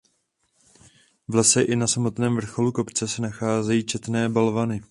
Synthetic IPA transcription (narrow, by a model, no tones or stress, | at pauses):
vlɛsɛʔɪnasamo̞t̪nɛːmvr̩xo̞luko̞pt͡sɛsɛnaxaːzɛjiːt͡ʃɛt̪nɛːbalvanɪ